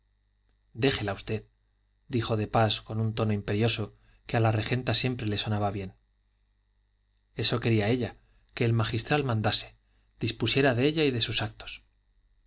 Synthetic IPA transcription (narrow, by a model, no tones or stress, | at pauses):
d̪e̞xe̞laust̪e̞ð | d̪ixo̞ðe̞pasko̞nunt̪o̞no̞impe̞ɾjo̞so̞ | kealare̞xe̞nt̪asje̞mpɾe̞le̞so̞naβaβje̞n | e̞so̞ke̞ɾiae̞ʎa | ke̞ːlmaχist̪ɾalmãnd̪ase̞̥ | d̪̥ispusje̞ɾaðe̞e̞ʎaiðe̞susak̚t̪o̥s